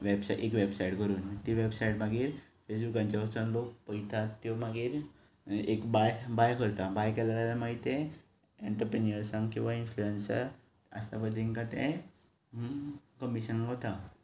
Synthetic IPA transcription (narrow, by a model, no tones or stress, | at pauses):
ʋebsaʔekʋebsaiʈkəɾuːnt̪iʋebsaiʈmaɡiːɾfesbukãɲt͡ɕaəsanlok̚pəjt̪ʰat̪ːjomaɡiːɾ | ekbajbajkəɾt̪abajkɛlalaljamaɦit̪ẽ | eɳʈəɾpɾeniəɾsãŋɡkĩw̃ʋainfluensə̰ɾ | ə̰st̪apəd̪ʱːeŋkãt̪ẽ | kəmisanɡɦot̪a